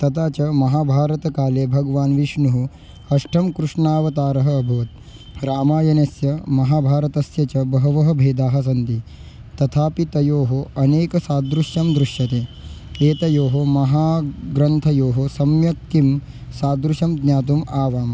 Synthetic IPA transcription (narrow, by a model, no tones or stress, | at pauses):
t̪ɐt̪aːt͡ʃɐmɐɦaːbʱaːɾɐt̪ɐkaːleːbʱɐɡɐʋaːnʋiʂɳuɦu | ɐʂʈʰɐmkɾuʂɳaːʋɐt̪aːɾɐɦɐːbʱɐːɐt̪̚ | ɾaːmaːjɐnesjɐmɐɦaːbʱaːɾɐt̪ɐsjɐt͡ʃɐbɐɦɐʋɐɦɐbʱeːd̪aːɦɐ̆sɐnt̪it̪ɐt̪ʰaːpit̪ɐjoːɦoɐneːkɐsaːd̪ɾuʃjɐmd̪ɾuʃjɐt̪eː | eːt̪ɐjoːɦomɐɦaːɡɾɐnt̪ʰɐjoːɦosɐmjɐk̚t̪im | saːd̪ɾuʃɐmd̪nʲjaːt̪umaːʋaːm